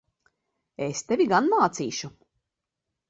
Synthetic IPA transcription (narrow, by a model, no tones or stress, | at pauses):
est̪evʲiɡanmaːt̪siːʃu